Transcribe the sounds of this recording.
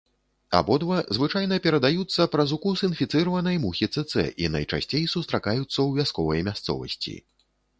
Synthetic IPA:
a̰bɔd̪vɐzvɨt͡ʂajnɐpʲɛɾɐd̪ajut̪sːɐpɾɐzukusinfʲit̪sɨɾɐvɐnɐjmuxʲit̪sɛt̪sɛ̰ʔinɐ̰jt͡ʂa̰sʲt͡sʲejsust̪ɾakajut̪sːɐwvʲaskɔvɐjmʲast̪sɔ̰vɐ̰sʲt͡sʲḭ

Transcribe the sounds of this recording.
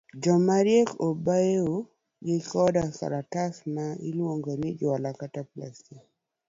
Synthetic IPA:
d͡ʒɔmaɾjekobaeo | ɡɪkɔdaka̰ɾatasmailwoŋɡonɪd͡ʒɔlakatapla̰si

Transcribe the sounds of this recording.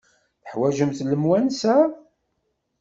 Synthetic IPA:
θəħwæʒəmθləmwænsæ

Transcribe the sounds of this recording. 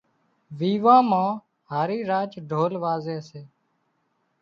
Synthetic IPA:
ʋiːʋãːmãː | ɦaːɾiːɾaːt͡ʃɖʱoːlʋaːzeːseː

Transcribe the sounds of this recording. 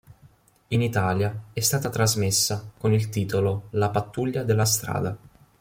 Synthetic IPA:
init̪aːljaɛst̪aːt̪at̪ɾazmesːakonilt̪iːt̪ololapat̪ːuʎːad̪elːast̪ɾa̰ːd̪a

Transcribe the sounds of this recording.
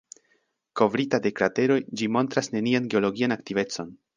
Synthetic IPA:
ko̞vɾitade̞kɾate̞ɾo̞jd͡ʒimo̞ntɾasne̞nianɡe̞o̞lo̞ɡianaktive̞t͡so̞n

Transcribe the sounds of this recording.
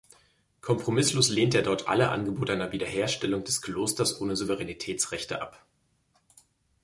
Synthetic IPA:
kʰɔmpʁ̥omɪsloːsleːnteːɐdɔɐtʰʔa̰ləʔa̰nɡəboːtəʔaɪnɐviːdɐɦeːɐʃtɛlʊŋd̥ɛskʰl̥oːstɐsʔoːnəzuvəʁɛnitʰɛːt͡sʁɛçtə̰ʔap

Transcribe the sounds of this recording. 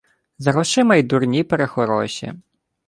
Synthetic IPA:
zɐɾɔʃɪmɐjd̪urnʲipeɾexɔɾɔʃʲḭ

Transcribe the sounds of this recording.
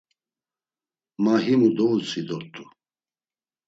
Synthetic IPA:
maɦimud̪oːsid̪ɔɾt̪ʰʼu

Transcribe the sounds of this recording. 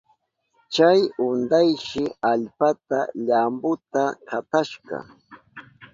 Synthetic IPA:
t͡ʃajʊnd̪ajʃɪaʎpat̪aʎambʊt̪akat̪aʃɢɑ̰

